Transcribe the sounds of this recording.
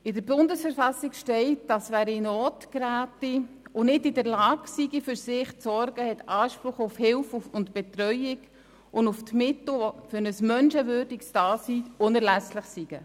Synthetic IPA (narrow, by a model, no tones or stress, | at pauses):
ɪdəɾbʊndəsfəɾfɑsikʃtɛɪt̚dɑsvæːɾinoːtkɾæːtiʊnɪdɪdəɾlɑːɡ̥siɡifyɾsɪχt͡sɔɾɡ̥əhɛtɑːʃpɾʊχʊfhɪlfuʊntb̥ɛtɾœʏjɪɡ | ʔʊnduftmɪt̪l̩ɔfʏɾnəsmœnʃəvʏːɾdiksd̥ɑːsiːʊnəɾlæsləχsiɡ̥ə